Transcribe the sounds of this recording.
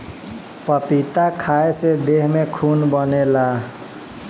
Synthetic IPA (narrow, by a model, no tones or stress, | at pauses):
pəpit̪akʰaesed̪eɦmekʰunbənela